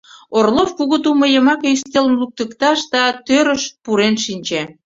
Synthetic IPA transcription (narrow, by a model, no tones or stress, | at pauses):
orlofkuɣət̪uməjəmɑkeyst̪elənluk̚t̪əkt̪ɑʃd̪ɑt̪øɾəʃpuɾenʃinʲt͡ɕe